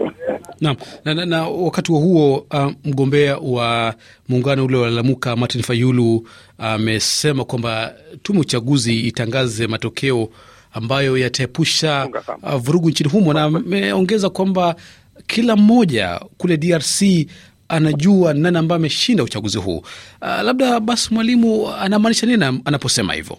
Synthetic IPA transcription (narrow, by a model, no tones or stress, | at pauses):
nam̩nananawakatiwahuɔm̩ɠɔmbɛawa | muŋɡanɔulɛalalamukamaɾtinfajulu | amɛsɛmakwambatumɛut͡ʃaɠuziːtaŋɡazɛmatɔkʰɛɔ | ambajɔjataɛpuʃavuɾuɡuɲt͡ʃiniɦumɔnamɛɔŋɡɛzakwamba | kʰilam̩ːɔʄa̰kulɛɗiaɾsi | anaʄuananiambajamɛʃindaut͡ʃaɡuzihṵːlaɓ̚ɗaɓasi̥mwalimuanamaːniʃaniniaanapɔsɛma̰hḭvɔ̰